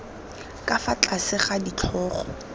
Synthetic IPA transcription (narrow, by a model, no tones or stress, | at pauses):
kʼafat͡ɬʼasɪχadit͡ɬʰɔːχɔ